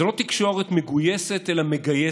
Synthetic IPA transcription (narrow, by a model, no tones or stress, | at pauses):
elo̞t̪ikʃo̞ʁet̪meɡujeset̪elameɡaje